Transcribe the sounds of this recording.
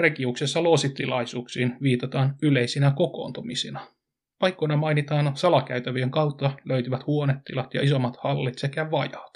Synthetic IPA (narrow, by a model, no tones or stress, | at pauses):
rekiuksesːɑlo̞ːsit̪ːilɑjsuːksiːnʋiːt̪ɑt̪ɑːnyle̞jsinæko̞ko̞̰ːnt̪umisinɑ | pɑjkːojnɑmɑjnit̪ɑːnsɑlɑkæyt̪æʋyeŋkɑwt̪ːɑløyt̪yʋæt̪huo̞net̪ːilɑt̪jɑ̰iso̞mːɑt̪hɑlːit̪se̞kæʋɑjɑt̪